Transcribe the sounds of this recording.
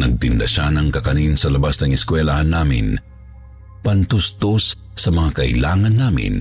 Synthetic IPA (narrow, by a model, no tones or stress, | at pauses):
nɐɡ̚t̪ɪnd̪a̰ʃanɐŋkɐkɐninsɐlɐbasnɐŋɪskwɛlahanːaːmɪ̰n | pɐnt̪ʊst̪osː | ɐmɐŋakɐʔɪ̰laːŋɐnːaːmɪ̰n